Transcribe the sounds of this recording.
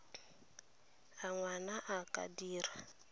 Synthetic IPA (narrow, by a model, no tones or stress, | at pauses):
aŋwanaʔakʼa̰diːɾa